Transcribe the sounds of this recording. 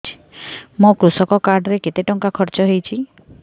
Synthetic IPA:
i̥ | mũkɾusɔkɔkaɾɖɾeket̪eʈɔŋkakʰɔɾt͡ʃɔɦejt͡ʃʰi

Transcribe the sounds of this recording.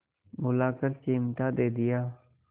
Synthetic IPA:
mʊlaːkəlt͡ʃeːmʈ̪aːd̪eːd̪ɪjaː

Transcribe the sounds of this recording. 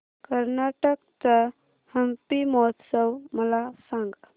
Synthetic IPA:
kəɾnaʈək̚t̪ə | həmpimɔt̪ʰsəwməlasãŋɡ

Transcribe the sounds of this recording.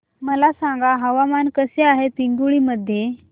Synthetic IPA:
məlasãŋɡaɦəʋamankəseaɦet̪iŋɡuɭiməd̪ʱːje

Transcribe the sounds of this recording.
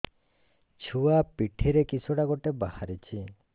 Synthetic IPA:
t͡ʃʰuapiʈʰiɾekisʰuɽaɡoʈebahaɾit͡ʃʰi

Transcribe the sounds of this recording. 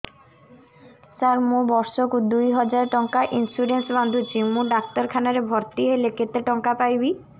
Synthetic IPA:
saɾmũbɔɾsokud̪ujɦɔd͡ʑaɾʈɔŋkaʔinsuɖensband̪ʱut͡ɕʰimũɖak̚t̪ɔɾkʰanaɾebʱɔɾt̪iɦeleket̪eʈɔŋkapajbi

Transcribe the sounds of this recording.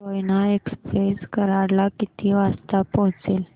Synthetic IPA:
ojnaekspɾeskəɾaɽlakit̪ʰiʋast̪apəɦt͡sel

